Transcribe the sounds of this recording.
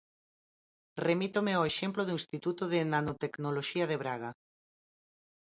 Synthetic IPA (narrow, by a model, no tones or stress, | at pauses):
remit̪omeoeʃemploðuĩnst̪it̪ut̪oðenanot̪eknoloʃiaðeβ̞ɾaɣa